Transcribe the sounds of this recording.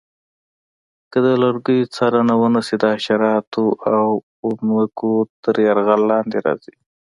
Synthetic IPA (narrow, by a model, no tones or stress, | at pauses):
kəd̪əlaɾɡujt͡sɑɾanawənəsid̪əaʃaɾɑt̪oʔaw | ʊmwakot̪əɾjaɾɣalːɑnd̪eɾɑ̰z̥i